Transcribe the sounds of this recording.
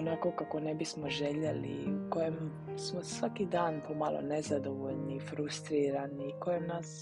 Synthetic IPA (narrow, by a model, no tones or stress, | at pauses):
onakokako̞nebismoʒeʎelḭkojem | smosʋakid̪aːnpomalo̰nezad̪oʋoʎnifɾust̪ɾiːɾaːniːkojemnaːs